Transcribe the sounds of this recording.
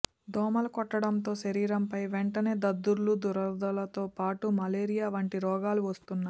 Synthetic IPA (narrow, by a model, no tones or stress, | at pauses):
d̪ɔːmɐlɐkɔʈːɐɽɐmt̪o̞ːʃɐɾiːɾɐmpɐjʋeɛɳʈɐne̞ːd̪ɐd̪ːuɾlud̪uɾɐd̪ɐlɐt̪o̞ːpaːʈumɐleːɾijaːʋɐɳʈiɾɔːɡaːluʋɐst̪unːaː